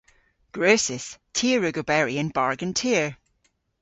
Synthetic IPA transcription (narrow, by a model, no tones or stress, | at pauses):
ɡ̥ɹoːsɪstʰiəɹʉɡobɛɹiə̃nbaɹɡə̃ntʰiəɹ